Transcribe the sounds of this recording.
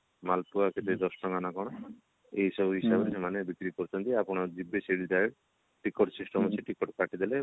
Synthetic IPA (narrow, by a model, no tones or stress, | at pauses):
malpuaket̪ed̪ɔsʈɔŋɡanakɔɽ̃ɔ | eɦisɔbʱuɦiʃabeɾsemanebikɾikoɾt͡ʃʰɔnt̪iapɔɽ̃ad͡ʒibːeseɽidajɽ | ʈikɔʈsisʈɔmɔt͡ʃʰeʈikɔʈkaʈid̪ele